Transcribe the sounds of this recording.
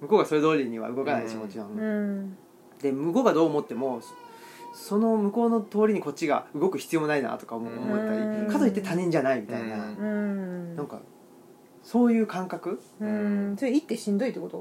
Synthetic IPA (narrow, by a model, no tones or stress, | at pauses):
mɯ̟ko̞ɡaso̞ɾe̞d̪o̞ːɾʲiɲ̟iβa̰ɯ̟ɡo̞kanaikʲimo̞t͡ɕinãn | d̪e̞mɯ̟ko̞ɡad̪o̞ːmo̞t̪ːe̞mo̞ | so̞no̞mɯ̟ko̞ːno̞t̪o̞ːɾʲiɲ̟iko̞t̚t͡ɕːiɡa̰ɯ̟ɡo̞kɯ̟çi̥t͡sɨjo̞mnaina̰t̪o̞̥kaomːmoet̪ːaɾʲikazoit̪ːet̪aɲ̟ĩɲ̟d͡ʑanaimʲit̪aina | nãŋka̰ | so̞ːjɯ̟ːkãŋkakɯ̟ | soɾeit̪ːe̞ɕĩnd̪o̞it̪ːekot̪o